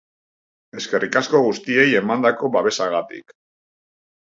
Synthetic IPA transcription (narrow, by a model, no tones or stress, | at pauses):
e̞ske̞rikasko̞ɣust̪ie̞je̞mand̪ako̞βaβe̞saɣat̪ḭk